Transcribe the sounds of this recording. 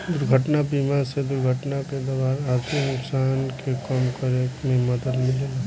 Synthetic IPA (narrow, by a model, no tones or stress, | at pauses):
d̪ʊɾɡʱəʈnabiːmaɾsed̪ʊɾɡʱəʈnaked̪ɐʋaːnaːɾt̪ʰinʊksaːnkekɔmkəɾekmẽmɐd̪əd̪mɪlela